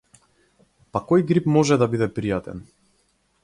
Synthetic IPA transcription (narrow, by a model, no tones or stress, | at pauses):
pakɔjɡɾipmɔʒɛd̪abid̪ɛpɾijat̪ɛ̰n